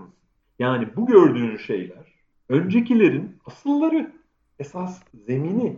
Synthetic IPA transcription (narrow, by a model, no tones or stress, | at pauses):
ɯz | jaːnibuɟøɾd̪yːnʃe̞̰jlʲæɾ̥ | ø̞nd͡ʒe̞cilʲe̞ɾinasɯlˠːaɾɯ | e̞sasze̞mini